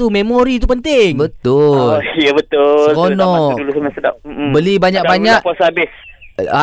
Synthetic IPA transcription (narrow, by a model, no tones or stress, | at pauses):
umemoɾit̪̬upənt̪ɪŋbət̪ʊljabət̪ʊlkonɔdulusamasədap̚bəlibaɲak̚baɲak̚kuasaabɪs | a